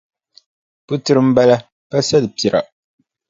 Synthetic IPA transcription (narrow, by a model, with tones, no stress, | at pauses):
pu˦tɨ˦ɾɨ˦m̩˦ba˦la˦ | pa˦sɛ˦lɨ˨pi˨ɾʔa̰˨